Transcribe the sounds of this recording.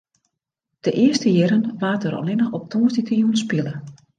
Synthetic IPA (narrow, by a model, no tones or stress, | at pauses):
d̥əʔɪəstəjɪɾənʋaːtəɾɔ̰lɪnəxɔp̚tʰoːəsditəjunspɪlˠə